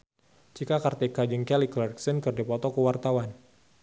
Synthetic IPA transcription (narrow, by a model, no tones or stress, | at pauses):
d͡ʒikakart̪ɛkad͡ʒəŋkɛliklɛrksənkɨrdipɔt̪ɔkəwart̪awan